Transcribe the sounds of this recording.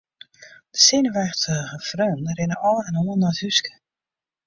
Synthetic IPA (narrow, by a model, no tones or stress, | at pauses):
d̥əsɪnəʋɛxtəɣəfrønrɪnəʔɔlɛnoənːɔjthyskə̥